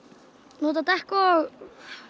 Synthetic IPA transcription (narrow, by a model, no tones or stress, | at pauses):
muːt̪ɑt̪æhkoː